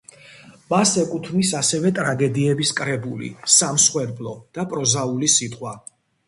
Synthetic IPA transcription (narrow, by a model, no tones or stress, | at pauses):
masɛkʼut̪ʰnisasɛvɛt̪ʼɾaɡɛd̪iɛbiskʼɾɛbulḭsamsχwɛɾblˠɔd̪̥apʼɾɔzaulisit̪ʼqʼwa